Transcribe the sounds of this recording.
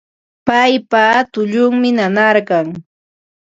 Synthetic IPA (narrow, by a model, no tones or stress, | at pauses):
pajpat̪ʊʎʊŋmɪnanaɾɢɑŋ